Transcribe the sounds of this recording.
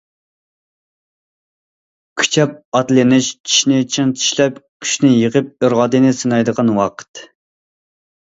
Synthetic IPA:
kʲʰy̥t͡ʃʰɛp̚ɑt̪lɪnɪʃt͡ʃʰi̥ʃnɪt͡ʃʰiŋt͡ʃʰi̥ʃlɛpkʲʰy̥ʃnɪjəqəp̚øɾʁɑd̪ɨnɪsɨnɑjd̪əqɑnwɑqʰə̥t̪

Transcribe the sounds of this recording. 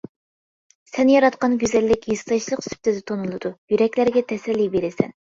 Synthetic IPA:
sɛnjɑɾɑt̪qɑnɡʲyzɛlːɪkʲjist̪ɑjʃlˠəqsy̥p̚t̪ʰɪd̪ɪt̪ʰonulˠɨd̪̥ujyɾɛkʲlæɾɡʲɛt̪ʰɛsɛlːijbeɾɪsɛ̰n

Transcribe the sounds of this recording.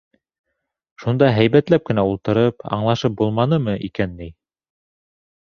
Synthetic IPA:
ʃund̪ɑɦæjβæt̪læp̚kɘ̆næulˠt̪ɤ̆ɾɤpɑ̰ɴlˠɑʃɤp̚bulˠmɑnɤmɤʔikænːɘj

